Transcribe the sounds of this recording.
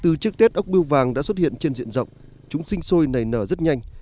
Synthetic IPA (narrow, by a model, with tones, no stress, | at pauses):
t̪ɨ˨˩t͡ɕɨ˦˥k̚t̪e˦˥t̚ʔə˦˥wk͡p̚i˧əwvaː˨˩ŋɗa̰ː˧˥swə˦˥t̚hḭ˧˨ənt͡ɕe˧nzḭ˧˨ənzə̰˧˨wŋ͡m | t͡ɕʊ˨˦ŋ͡msï˧ŋ̟so˧jna˨˩jnəː˧˩zə˦˥t̚ɲa˧jŋ̟